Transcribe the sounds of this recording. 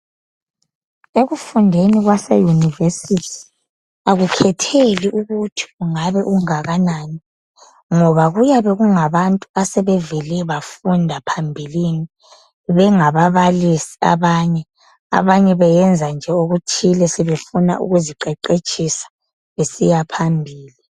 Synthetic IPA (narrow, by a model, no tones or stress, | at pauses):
eɣufundʱeniɣwasɛ̰junivesitʰi̥ | aɣukʰɛtʰeliʔuɣutʰi̥uŋaβɛʔuŋaɣanaːni | ŋɔβaɣujaβɛɣuŋaβantʼuasɛβɛvɛlɛβafundʱapʰambʱilini | βɛŋaβaβalisi̥a̰βaɲɛ | a̰βaɲɛβɛjɛnd͡zʱand͡ʒʱɛoɣutʰilɛsɛβefuna̰ʔṵɣuziǃɛǃet͡ʃʼisḁ | βesijapʰambʱiːli